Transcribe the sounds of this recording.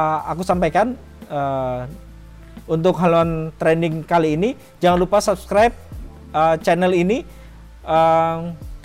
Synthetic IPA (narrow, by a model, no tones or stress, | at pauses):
akusampajkan | ə | unt̪ʊkɦaloant̪ɾɛnɪŋkaliːni | d͡ʒaŋanlupasap̚skɾajp̚ | ət͡ʃɛnɛlini | ʔə